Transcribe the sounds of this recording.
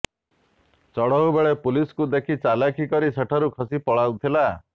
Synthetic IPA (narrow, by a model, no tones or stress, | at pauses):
t͡ʃɔɽɔɦubeɭepuliskud̪ekʰit͡ʃalakʰikɔɾiseʈʰɔɾukʰɔsipɔɭawt̪ʰila